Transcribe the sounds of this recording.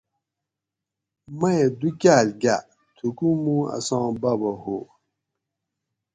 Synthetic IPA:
mɐed̪ukʲaːlɡa | t̪ʰukumũa̰sãːbawɐho

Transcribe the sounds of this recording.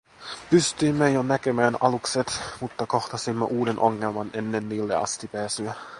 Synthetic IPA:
pyst̪yimːejonækemæːnɑlukset̪mut̪ːɑko̞xt̪ɑsimːɑ̰ʔuːdenʔoŋːelmɑnenːenːiːlːḛɑ̰st̪ipæːsyæ

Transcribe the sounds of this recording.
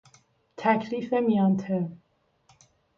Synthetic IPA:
t̪ʰækʰliːfemijɒːnt̪ʰe

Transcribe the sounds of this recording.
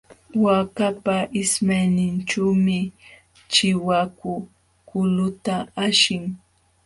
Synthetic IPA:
wakapaʔɪsmajnɪnt͡ʃuːmɪ | t͡ʃɪwakʊ | kʊlʊt̪aaʃɪŋ

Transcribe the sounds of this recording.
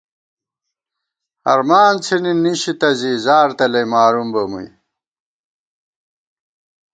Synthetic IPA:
ɐ̰ɾmaːnt͡sʰininiɕit̪ɐzizaːɾt̪ɐlɐjmaːɾumbɐmṵj

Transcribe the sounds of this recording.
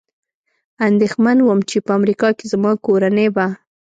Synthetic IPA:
and̪exmanwəmt͡ʃepəamɾikɑkezmɑkoɾaneba

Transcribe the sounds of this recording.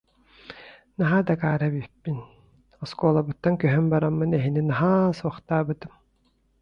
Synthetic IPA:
naɦad̪akaːɾabypːin | ɔskuɔːlˠabɯt̪ːankœɦœmbaɾamːɯnɛɦininaɦasuɔχt̪aːbɯt̪ɯm

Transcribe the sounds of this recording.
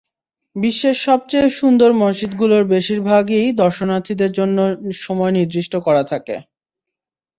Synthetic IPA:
biʃːeʃɔb̚t͡ɕejʃund̪oɾmonʃit̪ɡuloɾbeʃiɾbʱaɡejd̪ɔɾʃonat̪ʰid̪eɾd͡ʑonːoʃɔmɔeniɾd̪ɾiʃʈokɔɾat̪ʰakḛ

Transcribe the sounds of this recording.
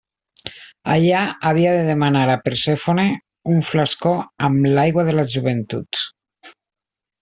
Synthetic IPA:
aʎaaβiaðeðemanaɾapeɾsefone | uɱflaskoamlajɣwaðelaʒuβent̪ut̪

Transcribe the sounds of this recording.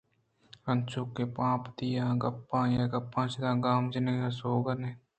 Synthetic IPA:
ənt͡ʃʊkːepãːpd̪ɪjaːɡɐpːãːjaːɡɐpːãːt͡ʃɪd̪ãːɡaːmd͡ʒɪneːjaːsoːɡəneː

